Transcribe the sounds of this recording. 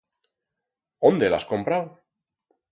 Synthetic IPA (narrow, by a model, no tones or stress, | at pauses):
ond̪e̞la̰sko̞mpɾaw